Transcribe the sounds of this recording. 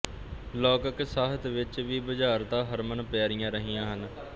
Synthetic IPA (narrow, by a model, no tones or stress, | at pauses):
lɔːkəksaːɦət̪ʋɪt͡ʃʋiːbəd͡ʒaːɾd̪ãːɦəɾmənpɛːɾɪjãːɾəɦijãːɦən